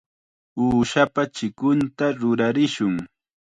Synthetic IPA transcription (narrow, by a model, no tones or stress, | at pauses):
uːʃapat͡ʃɪkʊnt̪aɾʊɾaɾɪʃʊŋ